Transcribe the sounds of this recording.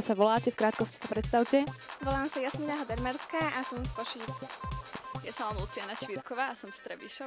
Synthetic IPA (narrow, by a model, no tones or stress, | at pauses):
saʋɔlaːcɛfkɾaːt̪kɔsci̥sapɾɛt̪st̪awcɛʋɔlaːmsajasmiːnaɦɔd̪ɛɾmɛɾskaːʔasɔmskɔʃiː | jasɔmanut͡sianat͡ʃʋiɾkɔʋaːsɔmst̪ɾɛbiʃɔ